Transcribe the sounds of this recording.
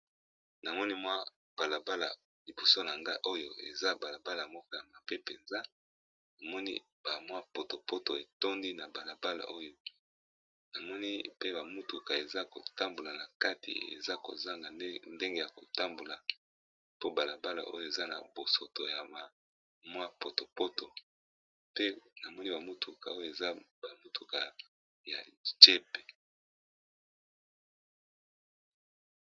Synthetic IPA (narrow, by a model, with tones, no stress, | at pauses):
na˨mɔ˦ni˦mwa˦ | b̥a˨la˨ba˦la̰˨ | li˨bo˨so˦na˨ŋɡa˦ʔo˦jo˦ḛ˨za˦ba˨la˨ba˦la˨mɔ˦kɔ˦ja˨ma˨pe˦pe˨nza˦ | na˨mɔ˦nḭ˦ | ba˨mwa˦po˨to˨po˦to˨e˨to˦ndi˦na˨ba˨la˨ba˦la̰˨ʔo˦jo˦ | na˨mɔ˦ni˦pe˦ba˨mu˦tu˨ka˨e˨za˦ko̰˨ta˦mbo˨la˨na˨ka˦tʰḭ˨ḛ˨za˦ko̰˨za˦ŋɡa˨˦nde˦ŋɡe˦ja˨ko˨ta˦mbo˨la˨ | po˦ba˨la˨ba˦la̰˨ʔo̰˦jo˦˨e˨za˦na̰˨bo˨so˨to˨ja˨ma˨ | mwa˦po˨to˨po˦to˨ | pe˦na˨mɔ˦ni˦ba˨mu˦tʰu˨ka˨o˦jo˦˨e˨za˦ba˨mu˦tʰu˨ka˨ | ja̰˨d͡ʒe˦pe̥˨